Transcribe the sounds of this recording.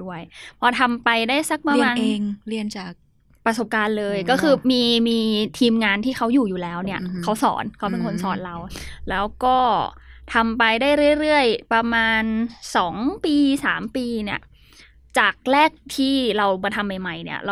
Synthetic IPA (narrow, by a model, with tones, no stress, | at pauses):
du˥˩əjpʰɔː˧t̪ʰa˧mpa˧jdaː˥˩jsa˦˥k̚pɾa˧maː˧eː˧ŋli˧˩ənt͡ɕaː˨˩k̚ | pɾa˧so˨˩p̚kaː˧nlɤː˧jkɔː˥˩kʰɯː˧miː˧miː˧t̪ʰiː˧mŋaː˧nt̪ʰiː˥˩ka˦˥wjuː˨˩juː˨˩lɛː˦˥wni˥˩ɐkʰa˦˥wsɔ̰ː˩˦nkʰa˦˥wpe˧nkʰo˧nsɔ̰ː˩˦nɾa˧wlɛː˦˥wkɔː˥˩ | t̪ʰa˧mpa˧jdaː˥˩jɾɯ˥˩əjɾɯ˥˩əjpɾa˧maː˧nsɔː˩˦ŋpiː˧saː˩˦mpiː˧ni˥˩ɐ | t͡ɕaː˨˩k̚ɾɛː˥˩k̚t̪ʰiː˥˩ɾa˧wmɔː˧t̪ʰa˧mːa˨˩jma˧˩jni˥˩ɐɾa˧